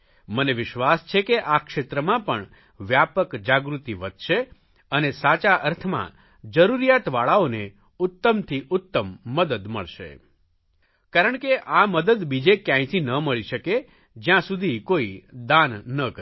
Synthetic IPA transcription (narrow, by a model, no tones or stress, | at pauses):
məneʋɪʃʋast͡ʃʰekeʔakʃet̪ɾəmãpəɳ | ʋjapəkd͡ʒaɡɾut̪iʋəd̪ʱʃe | ənesat͡ʃaʔəɾt̪ʰmã̰ | d͡ʒəɾuɾijat̪ʋaɭaone | ʊt̪ːəmt̪ʰiʔʊt̪ːəmːəd̪əd̪mə̰ɭʃḛ | kaɾəɳkeʔaməd̪əd̪bid͡ʒekjãĩt̪ʰinəməɭiʃəke | d͡ʒjãsud̪ʱikoid̪anːəkə